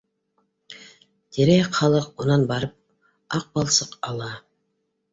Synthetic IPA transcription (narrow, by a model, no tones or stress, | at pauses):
t̪ʰeɾeχɑlˠɤqonɑnbɑɾɤp̚ | ɑq̚bɑlˠsɤqɑlˠɑ